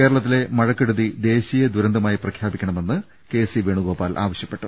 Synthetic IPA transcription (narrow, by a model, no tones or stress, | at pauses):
keːɾɐɭɐt̪ːile̞mɐɻɐkːeɽuðid̪e̞ːɕijɐd̪uɾɐnd̪ʱɐmaːjiprɐkʰjaːbikʲːɐɳɐme̞nːɨ | ke̞siʋe̞ːɳuɡo̞ːpːaːlʔa̰ːʋɐɕjɐpːeʈːu